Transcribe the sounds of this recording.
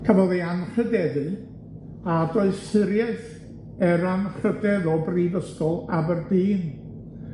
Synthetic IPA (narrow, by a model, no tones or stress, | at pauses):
kʰəvɔðeanrədɛðɨ | adoɨðsɨɾjɛθ | ɛɾanχədɛðɔbriːvəskɔlˠabərbiːn